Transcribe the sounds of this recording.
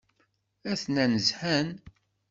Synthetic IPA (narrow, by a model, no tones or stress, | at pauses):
æθnænəzħæn